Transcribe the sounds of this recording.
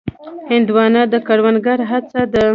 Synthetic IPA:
hɪnd̪wɑnad̪əkaɽwanɡaɾɦat͡sad̪ə

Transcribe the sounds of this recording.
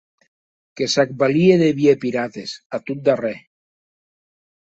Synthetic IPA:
kesak̚balieðeβjepiɾat̪esat̪ut̪̚d̪are

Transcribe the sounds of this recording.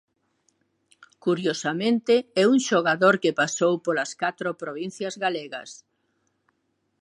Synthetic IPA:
kuɾjosamẽnt̪eɛuŋʃoɣaðoɾkepasowpolɐskat̪ɾopɾoβin̟θjɐzɣaleɣɐ̰s

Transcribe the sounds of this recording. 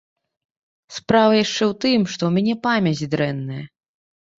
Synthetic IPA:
spɾavɐjaʂt͡ʂɛwt̪ɨmʂt̪ɔwmʲanʲɛpamʲɐt͡sʲd̪ɾɛnːɐjɐ̰

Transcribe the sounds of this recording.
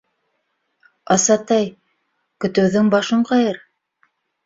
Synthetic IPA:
ɑsɑt̪ɑj | kɵ̆t̪ɘ̆wðɘŋbɑʃɤɴqɑjɤɾ

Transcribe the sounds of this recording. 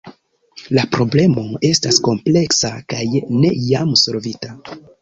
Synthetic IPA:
lapɾo̞ble̞mo̞e̞stasko̞mple̞ksakajne̞jamso̞lvita

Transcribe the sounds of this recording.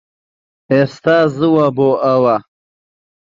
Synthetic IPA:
est̪aːziwaboʔawa

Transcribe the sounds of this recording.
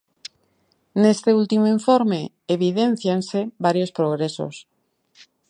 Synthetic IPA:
nest̪eult̪imoiɱfoɾme | eβiðen̟θjanseβaɾjospɾoɣ̞ɾeso̰s

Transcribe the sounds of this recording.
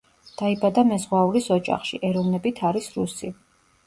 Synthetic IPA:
d̪̥aibad̪amɛzʁwauɾisɔd͡ʒʼa̰χʃḭʔɛɾɔvnɛbit̪ʰaɾisɾusi

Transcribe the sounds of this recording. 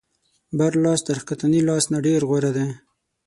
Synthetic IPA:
baɾlɑːsd̪əɾkat̪anilɑsnaɖeɾɣwoɾad̪e

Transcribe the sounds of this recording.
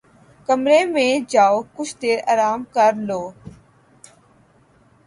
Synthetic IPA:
kəmɾeːmẽːd͡ʒaːoːkʊt͡ʃʰd̪eːɾəːɾaːmkəɾloː

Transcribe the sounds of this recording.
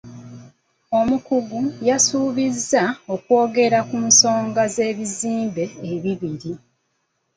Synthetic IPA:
o̞mukuɡujasuːβizːao̞kwo̞ːɡe̞ɾakuso̞ːŋɡaze̞ːβiziːmbe̞ːβiβiɾi

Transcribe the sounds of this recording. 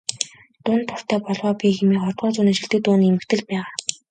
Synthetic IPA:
t̪ʊːnt̪ʰːʊr̥t̪ʰæːpɔɮʁɔːpʲiːximiːχɔrt̪ʁɔːt͡sʊːniːʃiɬt̪ɘ̆t̪ʊːniːemɘ̆kt̪ʰɘ̆ɮpæːʁaː

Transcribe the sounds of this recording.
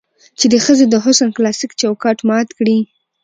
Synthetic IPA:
t͡ʃed̪əxəzed̪əɦʊsanklɑsɪkt͡ʃawkɑʈmɑt̪kɽi

